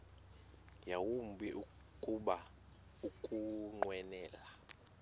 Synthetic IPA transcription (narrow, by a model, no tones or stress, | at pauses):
jawumbʱiʔu | kʼuɓa | ukʼuŋ͡ǃwɛnɛːla